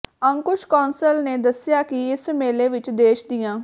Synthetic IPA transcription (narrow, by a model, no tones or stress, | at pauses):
əŋkʊʃkɔːnsəlneːd̪əsːɪjaːkɪɪsmeːleːʋɪt͡ʃd̪eːʃd̪ijãː